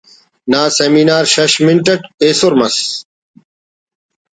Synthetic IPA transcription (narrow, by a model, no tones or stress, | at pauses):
naːseminaːɾɕɐɕmiɳʈɐʈeːsoɾmɐs